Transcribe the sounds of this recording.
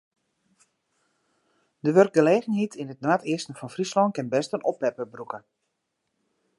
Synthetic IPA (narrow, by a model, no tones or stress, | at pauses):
dəʋørk̚ɡəleːɣənɦitʰinətnaːtʰɪəstən̩fɔnfrislɔnkɪnbɛstənɔpːɛpəbrukə